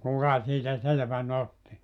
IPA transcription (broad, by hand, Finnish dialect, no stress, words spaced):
kukɑ siːtæ selĕʋæn otːi